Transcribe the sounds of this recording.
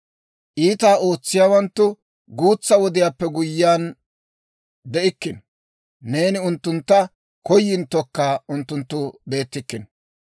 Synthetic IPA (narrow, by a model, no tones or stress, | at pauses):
ʔiːt̪aːo̞ːt͡sːɪjaːwɐnt̪ːʊ | ɡuːt͡sːɐwɔd̪ɪjaːpːɛɡʊjːaːn | d̪ɛʔɪkːɪn | ne̞ːnɪʊnt̪ːʊnt̪ːɐ | kɔjːɪnt̪ːɔkːaʊnt̪ːʊnt̪ːʊbe̞ːt̪ːɪkːɪn